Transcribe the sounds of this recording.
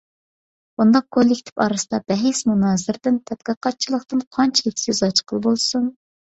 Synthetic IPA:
b̥und̪ɑq̚kʰolˠikʲt̪ʰɪ̥pɑːɾɨsɨd̪ɑbɛɦesmunɑːzɪɾd̪ɪnt̪ʰɛt̪̚qiqɑt̪̚t͡ʃʰilˠəχt̪ɨnqʰɑnt͡ʃʰet̪ʲʰjyzɑt͡ʃʰqʰəlˠbolˠsun

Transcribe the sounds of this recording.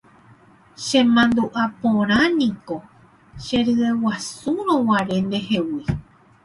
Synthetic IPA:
ʃẽmãnd̪uʔapõɾ̃ãnĩko | ʃẽɾɨewasuɾõwãɾe̞nd̪ehewi

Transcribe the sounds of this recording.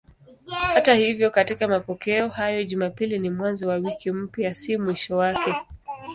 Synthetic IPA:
hatahivjɔkatikamapɔkɛɔhajɔʄumapilinimwanzɔwawikim̩pjasimwiʃɔwakɛ

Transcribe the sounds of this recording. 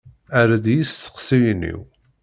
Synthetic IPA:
æɾaðjist̪ə̥qsijnːḭw

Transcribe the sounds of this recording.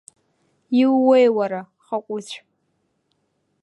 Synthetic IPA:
iwːejwaɾa | χakʷʼʊt͡ɕʷʰ

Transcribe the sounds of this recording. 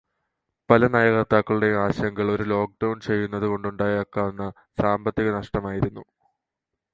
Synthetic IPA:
pɐlɐnaːjɐɣɐt̪ːaːkːɐɭuɽe̞aːɕɐŋɡɐɭo̞ɾulo̞ːk̚ɖɐwɳt͡ɕe̞jːunːɐðuko̞ɳɖuɳɖaːjɐkːaːʋɐnːɐ | saːmbɐt̪ːiɣɐnɐʂʈɐmaːjiɾunːu

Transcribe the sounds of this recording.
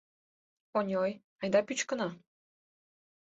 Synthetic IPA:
onʲoj | ɑjd̪ɑpyt͡ɕkə̆nɑ

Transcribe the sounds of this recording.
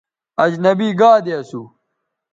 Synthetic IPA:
ɐd͡ʑnɐbiːɡaːd̪eɐsu

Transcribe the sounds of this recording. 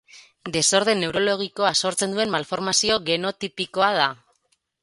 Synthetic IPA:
d̪e̞so̞ɾð̞e̞ne̞wɾo̞lo̞ɣ̞iko̞aso̞ɾt͡se̞nd̪ue̞nmːalfo̞ɾmasio̞ɣe̞no̞t̪ipiko̞að̞a

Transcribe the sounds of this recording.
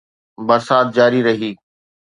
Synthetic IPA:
bɐɾsaːt̪̚d͡ʑaːɾiɾɐɦiː

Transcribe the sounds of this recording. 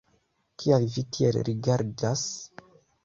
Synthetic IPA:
kʰialvitʰielɾiɡaɾdas

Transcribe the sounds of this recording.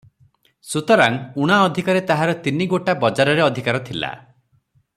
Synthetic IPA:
sut̪ɔɾaŋuɽ̃aɔd̪ʱikaɾet̪aɦaɾɔt̪iniɡoʈabɔd͡ʒaɾɔɾeɔd̪ʱikaɾɔt̪ʰila̰

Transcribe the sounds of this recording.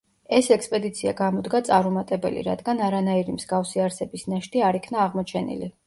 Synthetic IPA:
ɛsɛkspʼɛd̪it̪sʰia̰ɡamɔd̪ɡat̪sʼaɾɔmat̪ʼɛbɛ̰lḭɾa̰d̪ɡanaɾanaiɾimz̥ɡafsiaɾsɛbisnaʃt̪ʼiaɾikʰnaːʁmɔt͡ʃʰɛnḭlḭ

